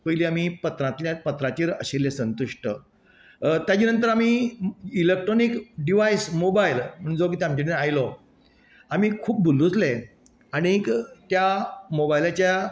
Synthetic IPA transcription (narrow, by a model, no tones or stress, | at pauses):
pəjiliamipət̪ɾãt̪ljapət̪ɾat͡ɕiːɾəɕeljesənt̪uʂʈə | t̪jat͡ɕinənt̪̬əɾamiilek̚ʈɾonikɖiʋaismobailm̤əɽund͡zok̬it̪eamt͡ɕenajlɔ | amiːkʰuːp̚bulːut͡sle | añiekt̪jamobailat͡ɕja